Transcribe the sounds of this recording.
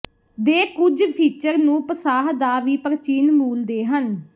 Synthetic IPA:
d̪eːkʊd͡ʒpʰiːt͡ʃəɾnũːpəsaːɦd̪aːʋiːpəɾt͡ʃiːnmuːld̪eːɦən

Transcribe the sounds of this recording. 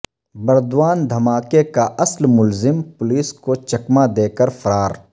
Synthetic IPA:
bɐɾd̪waːnd̪ʱɐmaːkekaʔɐslmʊlzɪmpʊliːskot͡ʃɐkmad̪eːkəɾfʰɐɾaːɾ

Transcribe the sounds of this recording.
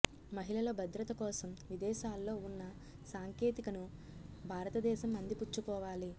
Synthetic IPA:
mɐɦilɐlɐbʱɐd̪ɾɐt̪ɐkɔːsɐmʋid̪ɛːʃaːlːo̞ːunːɐ | saːŋkeːt̪ikɐnu | bʱaːɾɐt̪ɐd̪ɛːʃɐmɐnd̪iput͡ʃːupɔːʋaːli

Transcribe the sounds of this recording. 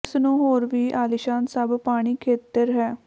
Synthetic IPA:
snũːɦoːɾʋiːʔaːlɪʃãːnsəbpaːɽ̃iːkʰeːt̪əɾɦɛː

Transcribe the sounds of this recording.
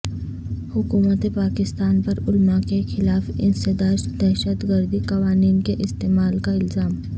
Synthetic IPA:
hʊkuːmət̪epaːkɪst̪aːnpɐɾʊlmakexɪlaːfɪ̰nsed̪aːʃd̪ɛːʃət̪ɡəɾd̪ikɐʋaːniːnkeʔɪst̪eːmaːlkaɪlzaːm

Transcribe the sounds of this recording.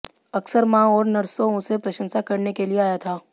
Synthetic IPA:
ɐksəɾmãɔːɾnɐɾsõʊ̃sepɾɐʃə̃nsakɐɾnekelieaːjat̪ʰaː

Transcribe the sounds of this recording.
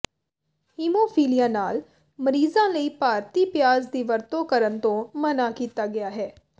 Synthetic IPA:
hiːmoːpʰiːlijãːnaːl | məɾiːzãːləiːpaːɾt̪iːpjaːzd̪iːʋəɾt̪õːkəɾənt̪õːmənaːkiːt̪aːɡɪjaːɦɛː

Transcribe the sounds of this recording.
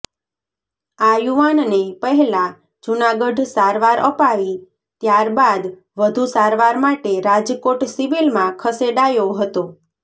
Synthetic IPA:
ajuʋannepəɦɛlã | d͡ʒunaɡəɖsaɾʋaɾə̰paʋi | t̪jaɾbad̪ | ʋəd̪ʱusaɾʋaɾmaʈeɾad͡ʒkoʈsiʋilmãkʰəseɖajoɦət̪o

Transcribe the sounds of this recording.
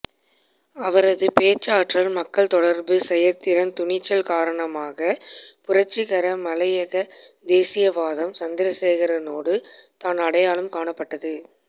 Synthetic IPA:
ɐʋɐɾɐðɯpeːt͡ʃːaːʈrɐlmɐkːɐɭt̪ɔɽɐɾbɯsɛjɐɾt̪ɪɾɐnt̪ʊɳɪt͡ʃːɐlkaːɾɐɳɐmaːɣɐpʊɾɐt͡ʃːɯɣɐɾɐmɐlɐjɐɣɐd̪eːsɪjɐʋaːðɐmsɐnd̪ɪɾɐseːɣɐɾɐnoːɽɯt̪aːnɐɽɐjaːɭɯmkaːɳɐpːɐʈːɐðɯ

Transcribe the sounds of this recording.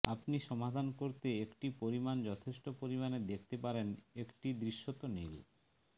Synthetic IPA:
apniʃɔmad̪ʱankoɾt̪eekʈipoɾimand͡ʑɔt̪ʰeʃʈopoɾimaned̪ek̚ʰt̪epaɾenekʈid̪ɾiʃːot̪onḭl

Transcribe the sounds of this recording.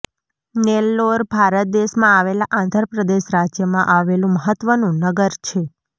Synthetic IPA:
nelːoɾbʱaɾət̪̚d̪eʃmãaʋelaʔãnd̪ʱəɾpɾəd̪eʃɾad͡ʒjəmãʔaʋelũməɦət̪ʋənũnəɡəɾt͡ʃʰe

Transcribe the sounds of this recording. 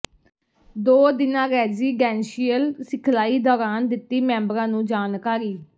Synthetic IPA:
d̪oːd̪ɪnãːɾɛːziːɡɛːnʃiːəlsɪkʰlaːiːd̪ɔːɾaːnd̪ɪt̪ːiːmɛ̃ːmbɾãːnũːd͡ʒaːnkaːɾiː

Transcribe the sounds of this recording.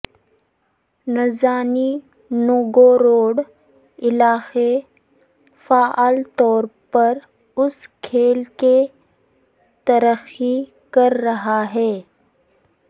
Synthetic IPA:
nɐzaːni | nʊɡoɾoːɖ | ɪlaːxe | faːʔaːlt̪ɔːɾpɐɾ | ʊskʰeːlke | t̪ɐɾəxi | kɐɾːɐɦaɦɛː

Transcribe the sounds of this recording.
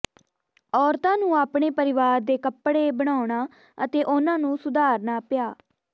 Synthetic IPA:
ɔːɾt̪ãːnũːaːpɳ̃eːpəɾɪʋaːɾd̪eːkəpːɽeːbəɽ̃aːʊɳaː | ə̰t̪eːʔʊnãːnũːsʊd̪aːɾnaːpɪjaː

